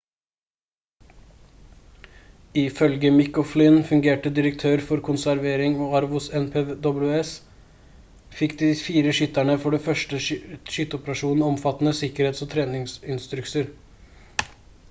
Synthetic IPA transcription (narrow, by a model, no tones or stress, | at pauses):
ɪfœlɡəmɪkɔflɪnfʉŋɡeːʈəd̪ɪɾək̚t̪ʰøːɾfɔɾkʰʊnsæɾʋeːɾɪŋoːɑɾʋʊsɛnpʰeːd̪ɔblʉɛs | fɪkd̪iːfiːɾəʃʏt̪æɳəfɔɖɛfœʂʈəʃʏt̪ːəɔpəɾɑʂuːnn̩ɔmfɑt̪nəsɪkəɾheːt̪soːt̪ʰɾeːnɪŋsɪnst̪ɾʉksəɾ